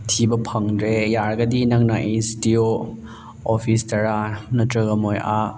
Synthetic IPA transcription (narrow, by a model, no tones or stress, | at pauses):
tʰibɐpʰɐŋdɾejaɾɡɐdinɐŋnaʔenstio | ɔpʰistɐɾanɐtɾɯɡɐmojʔa